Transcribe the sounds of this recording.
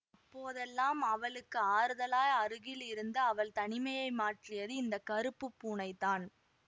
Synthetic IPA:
ɐpːoːðɛlːaːmɐʋɐɭɯkːɯaːɾɯðɐlaːjɐɾɯɣɪlɪɾɯnd̪ɯɐʋɐɭt̪ɐnɪmɐjɐɪmaːʈrɪjɐðɯɪnd̪ɐkɐɾɯpːɯpːuːnɐɪt̪ːaːn

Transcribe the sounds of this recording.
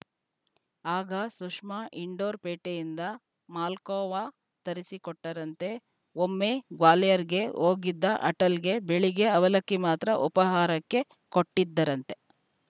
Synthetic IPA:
aːɡɐsuʂmaʔiɳɖoːɾpeːʈejind̪ɐ | maːlkɔːʋaː | t̪ɐɾisikɔʈːɐɾɐnt̪e̞ | omːeɡʋaːlɛjɐɾiɡe̞oːɡid̪ːɐʔɐʈɐlɡe̞beɭiɡe̞ɐʋɐlɐkːimaːt̪ɾɐʔupɐɦaːɾɐkːe̞ | koʈːid̪ːɐɾɐnt̪e̞

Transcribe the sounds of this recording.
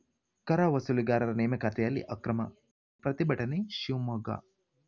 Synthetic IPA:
kɐɾaːʋɐsuliɡaːɾɐɾɐneːmɐkɐt̪ʰɐjɐlːḭʔɐkɾɐmɐ̰ | pɾɐt̪ibɐʈɐneʃiwmɐɡa̰

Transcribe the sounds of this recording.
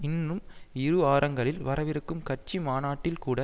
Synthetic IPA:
ɪnrɯmɪɾɯaːɾɐŋɡɐɭɪlʋɐɾɐʋɪɾɯkːɯmkɐʈ̚t͡ʃimaːnaːʈːɪlkuːɽɐ

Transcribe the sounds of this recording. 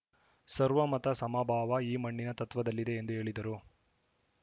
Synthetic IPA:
sɐɾʋɐmɐt̪ɐsɐmaːbʱaːʋɐiːmɐɳːinɐt̪ɐt̪ʋɐd̪ɐlːid̪e̞ːnd̪uɦe̞ːɭid̪ɐɾu

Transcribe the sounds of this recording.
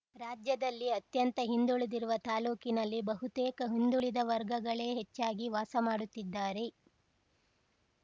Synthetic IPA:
ɾaːd͡ʒjɐd̪ɐlːiɐt̪jɐnt̪ɐɦind̪uɭed̪iɾuʋɐt̪aːluːkinɐlːibɐɦut̪eːkɐɦind̪uɭid̪ɐʋɐɾɡɐɡɐɭe̞ːɦet͡ʃːaːɡiʋaːsɐmaːɽut̪ːid̪ːaːɾe̞

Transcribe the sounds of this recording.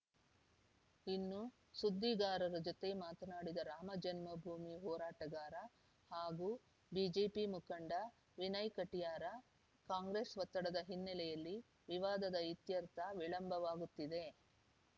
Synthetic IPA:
inːu | sud̪ːiɡaːɾɐɾɐd͡ʒot̪e̞maːt̪ɐnaːɽid̪ɐɾaːmɐd͡ʒɐnmɐbʱuːmiɦɔːɾaːʈɐɡaːɾɐ | haːɡuː | biːd͡ʒeːpimukɐɳɖɐ | ʋinɐjkɐʈijaːɾɐ | kaːŋɡɾeːsʋɐt̪ːɐɽɐd̪ɐɦinːɛlɛjɐlːi | ʋiʋaːd̪ɐd̪ɐit̪jɐɾt̪ʰɐʋiɭɐmbʱɐʋaːɡut̪ːid̪e̞

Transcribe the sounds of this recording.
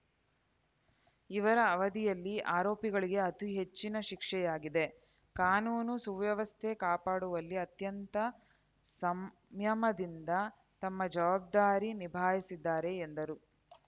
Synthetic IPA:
iʋɐɾɐːʋɐd̪ijɐlːiaːɾoːpiɡɐɭiɡe̞ɐt̪iɦe̞t͡ʃːinɐʃikʂɛjaːɡid̪e̞ | kaːnuːnusuʋjɐʋɐst̪ʰekaːpaːɽuʋɐlːiɐt̪jɐnt̪ɐ | sɐm | jɐmɐd̪ind̪ɐ | t̪ɐmːɐd͡ʒɐʋaːb̚d̪aːɾinibʱaːjisid̪ːaːɾe̞ːnd̪ɐɾu

